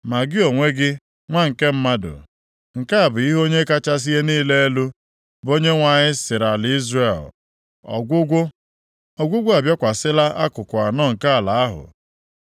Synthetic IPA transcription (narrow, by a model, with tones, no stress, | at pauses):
ma˨ɡɪ˦o˨ŋʷe˦ɡɪ˦ | ŋʷa˦ŋ̩˨ke˦m̩˦ma˦dʊ̰˨ | ŋ̩˨ka˦a˨bʊ˨i˦ɦo˦ɲe˦ka˦t͡ʃa˦s̬i˦e˦niː˦le˦e˦lu˦ | bo˦ɲe˦ŋʷa˨ɲɪ˦sɪ˨ɾa˨lɪ˨˦i˦zre˦˨l | ɔ̰˨ɡʷʊ˦ɡʷʊ˦ | ɔ˨ɡʷʊ˦ɡʷʊ˦a˨bjɔ˦kʷa˨sɪ˦la˦ʔa˦kʊ˨kʷa˨nɔː˦ŋ̩˨ka˦a˨la˨a˦ɦʊ̰˨